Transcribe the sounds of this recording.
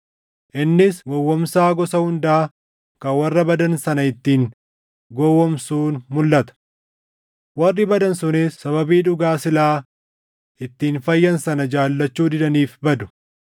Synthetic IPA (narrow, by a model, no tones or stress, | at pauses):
ʔɪnːɪsɡɔwːɔmsaːɡɔsɐhʊnd̪aː | kɐwɐrːɐbɐd̪ɐnsɐnɐɪt̪ːiːŋ | ɡɔwːɔmsuːnmʊlːɐt̪ɐ̥ | wɐrːɪbɐd̪ɐnsʊnɪsːɐβɐbiːᶑʊɡaːsɪlaː | ʔɪt̪ːiːnfɐjːɐnsɐnɐd͡ʒaːlːɐt͡ʃːuːd̪ɪd̪ɐniːfbɐd̪ʊ̥